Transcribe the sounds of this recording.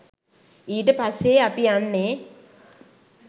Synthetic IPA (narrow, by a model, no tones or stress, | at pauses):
iːʈəpasːeapianːe